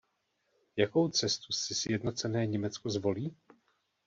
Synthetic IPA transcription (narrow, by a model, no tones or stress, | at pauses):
jako̞wt͡sɛst̪usɪsjɛdno̞t͡sɛnɛːɲɛmɛt͡skozvo̞liː